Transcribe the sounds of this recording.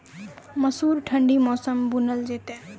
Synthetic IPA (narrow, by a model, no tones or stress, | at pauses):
mʌsuɾʈʰəɳɖimɔsʌmbunʌld͡zet̪e